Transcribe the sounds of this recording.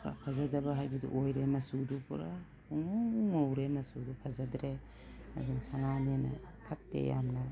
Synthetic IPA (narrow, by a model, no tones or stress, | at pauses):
pʰa̰pʰazɐdɐbɐɦajbɐdṵʔojɾemɐsudupuɾa | uŋouŋowɾemɐsudupʰazadɾe | a̰duŋsananenɐ̰pʰatːḛja̰mnɐ